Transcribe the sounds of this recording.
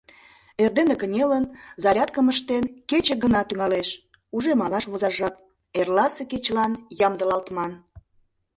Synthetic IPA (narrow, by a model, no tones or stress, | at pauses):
erd̪enekənʲelənzɑɾʲɑt̪̚kəməʃt̪enket͡ɕə̆ɡənɑt̪yŋɑleʃ | uʒemɑlɑʃβozɑrʒɑt̪̚ | erlɑseket͡ɕlɑnjɑmd̪əlɑlt̪mɑn